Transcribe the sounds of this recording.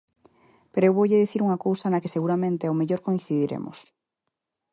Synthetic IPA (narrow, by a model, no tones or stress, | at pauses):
peɾoewβowʎɪðiθiɾuŋɐkowsɐnɐkeseɣuɾamẽnt̪eawmeʎoɾkoĩnθiðiɾḛmʔʊ̰s